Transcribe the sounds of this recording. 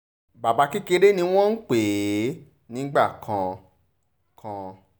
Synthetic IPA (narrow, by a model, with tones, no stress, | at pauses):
ba˨ba˧ki˦ke˧ɾe˦nĩ˧w̃ɔ̃˦n̩˦k͡pe˨˦ | nĩ˦ɡ͡ba˦˨kʰã˧˨ | kʰã˧